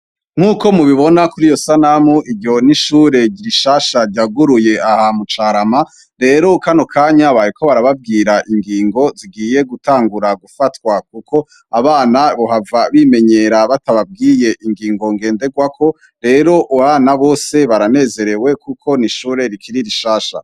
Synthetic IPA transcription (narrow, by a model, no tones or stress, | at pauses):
ŋ̥uːko̞muβiβo̞nakuɾijo̞sanamuiɾɟo̞niʃuːɾe̞ɟiɾiʃaːʃaɾɟaɡuɾujeahamut͡ʃaɾama | ɾe̞ːɾokano̞kʰaːɲaβajekʰo̞βaɾaβabɡiːɾaʔiŋɡiːŋɡo̞ziɡiːje̞ɡutʰaːŋɡuɾaɡufatkwak̚ukʰo̞ | aβaːnaβoɦavaβime̞ɲe̞ɾaβataβab̚ɡiːje̞ʔiŋɡiːŋɡo̞ŋɡe̞ːnde̞ɡwakʰo̞ | ɾe̞ːɾo̞ʔuaβaːnaβo̞ːse̞βaɾane̞ːze̞ɾe̞we̞kukʰo̞niʃuːɾe̞ɾikʰiɾiɾiʃaːʃa̰